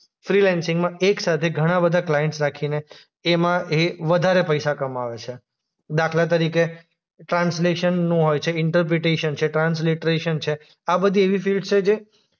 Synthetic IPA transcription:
fɾilɛnsɪ̃ŋɡmãeksat̪ʰeɡʱəɽ̃ãbəd̪ʱaklajẽɳʈsɾakʰine | emãeʋəd̪ʱaɾepəjsakəmaʋet͡ʃʰe | d̪akʰlat̪̬əɾike | ʈɾãnsleʃənːũɦojt͡ʃʰeɪɳʈəɾp̬ɾeʈeʃənt͡ʃʰeʈɾãnsliʈɾeʃənt͡ʃʰe | abəd̪ʱieʋifilɖt͡ʃʰed͡ʒe

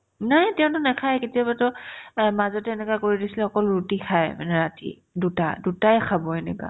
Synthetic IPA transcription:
natɛʊ̃ntʊnɛkʰajketijabatɔmazɔtɛnɛkakoɹidisilɛɔkɔlɹutikʰajma̰nɛɹatḭ | duta̰dutaɛkʰabɔenɛka̰

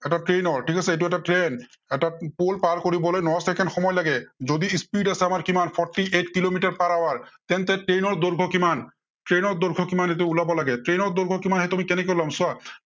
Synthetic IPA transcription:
ɛʈaʈɹenɔɹʈʰikasɛet̬uɛʈaʈɹen | ɛapolpaɹkoɹibɔlojnɔsɛkʰɛnxɔmɔjlaɡɛzod̪ispiɖasɛamaɹkimanpʰɔɹʈːiʔetkilomiʈaɹpaɹawaɹt̪ɛnt̪ɛʈɹenɔɹd̪oɹɡʱɔkiman | ʈɹenɔɹd̪ɔɹɡʱɔkimanet̬uulabɔlaɡɛtɹenɔɹd̪oɹɡʱɔkimanɦɛt̪amikɛnɛkolamsʊa

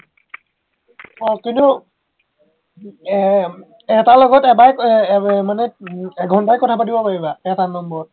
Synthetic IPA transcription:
ɔkintu | ɛtalɔɡɔtɛbaj | manɛɛɡʱɔndajkɔtʰapadibɔpaɹibaɛtanɔmbɔɹɔt̚

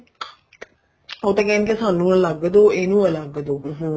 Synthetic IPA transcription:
oːt̪ãːkɛːnkesaːnːũːələɡd̪oːeːnũːələɡd̪oː

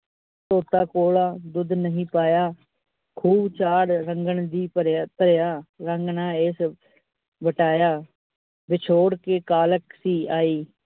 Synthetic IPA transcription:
toːt̪aːkoːlaːd̪ʊd̪nəɦĩːpaːjaː | kʰuːbt͡ʃaːɽɾəŋɡəɳd̪iːpəɾt̪əɾjaːɾəŋɡnaːeːs | ʋəʈaːjaː | bɪt͡ʃʰoːɽkeːkaːləksiːaːiː

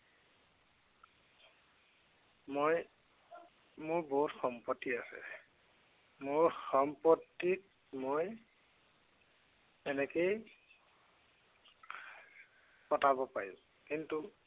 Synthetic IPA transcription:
moj | mʊɹboɦutxɔmpɔtːiasɛ̰ | mʊɹxɔmpɔtːit | moj | ɛnɛkej | pɔtabɔpaɹḭ̃ | kintu

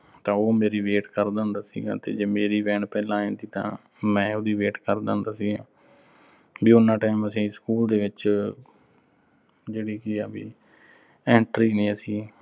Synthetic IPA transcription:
t̪ãːoːmeːɾiːʋeːʈkəɾd̪ãːnd̪aːsḭːɡa̰ːt̪ḛːd͡ʒeːmeːɾiːʋɛ̃ːɳpɛːlãːẽːnd̪iːt̪ã̰ː | mɛ̃ːod̪iːʋeːʈkəɾd̪ã̰ːnd̪aːsiːɡãː | biːʊnãːʈaːɪməsĩːskuːld̪eːʋɪt͡ʃ | d͡ʒeːɽiːkɪaːbḭː | ɛ̃ːɳʈɾiːnĩːəsĩː

